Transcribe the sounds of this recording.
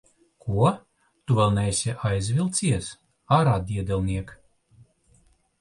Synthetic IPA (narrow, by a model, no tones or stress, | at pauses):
kʰuɔ | t̪uvɛlˠnɛjsʲɛʔajzʲvʲilˠt̪sʲiɛs | aɾad̪ʲiɛd̪ɛlʲˠnʲiɛk